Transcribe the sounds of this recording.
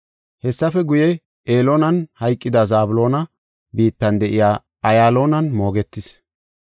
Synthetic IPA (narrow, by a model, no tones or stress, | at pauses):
hɛsːɐfɛɡʊjɛ | eːloːnɐnhɐjkʼːɪd̪ɐzaːbʊlo̞ːnɐ | biːt̪ːɐnd̪ɛʔɪjaː | ɐjaːlo̞ːnɐnmo̞ːɡɛt̪ːɪs